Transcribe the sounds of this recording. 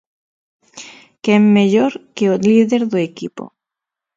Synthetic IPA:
kemmeʎoɾkeoliðeɾðoekipo̰

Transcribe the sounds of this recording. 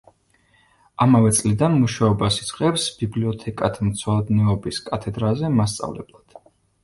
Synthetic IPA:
amavɛt̪sʼlid̪anmuʃaɔbasid̪sʼqʼɛpsbibliɔt̪ʰɛkʼat̪ʰmt̪sʰwad̪niɔbiskʼat̪ʰɛd̪ɾazɛmas̬t̪sʼa̰vlɛ̰blˠad̪̥

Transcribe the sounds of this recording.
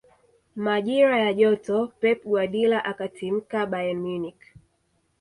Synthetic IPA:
maʄiɾajaʄɔtɔpɛp̚ɡwaɗilaʔakatim̩kaɓajanmunik

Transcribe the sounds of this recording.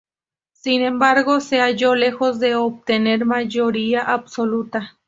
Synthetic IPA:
sinembaɾɣoseaʝolexozd̪eop̚t̪eneɾmaʝoɾiaʔabsolut̪a

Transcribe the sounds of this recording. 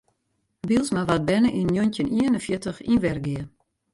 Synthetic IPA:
bilˠsmaʋat̚bɛnəʔinːjontəniənənfjɪtəxinʋɛrɡɪə

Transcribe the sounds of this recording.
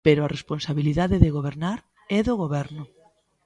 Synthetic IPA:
peɾʊaresponsaβiliðaðɪðeɣoβeɾnaɾ | ɛðoɣoβɛɾnʊ

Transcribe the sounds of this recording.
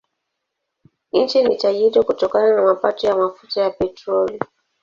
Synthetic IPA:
n̩t͡ʃinitaʄiɾɔkutɔkananamapatɔjamafutajapɛtɾɔli

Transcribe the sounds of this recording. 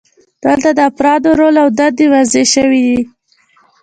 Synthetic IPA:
d̪̥əlt̪ad̪əafɾɑd̪oɾolawd̪ad̪ewazeʃəwid̪i

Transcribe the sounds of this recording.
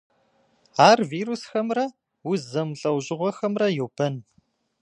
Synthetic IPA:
aːrviːɾusxɐmrɐ | wuzɐmɬʼɐwʑɪʁʷɔxɐmrɐjɛwb̥ʰɐn

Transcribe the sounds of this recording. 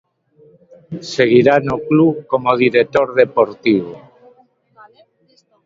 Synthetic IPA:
seɣ̞iɾanoklukomoðiɾet̪oɾðepoɾt̪iβo

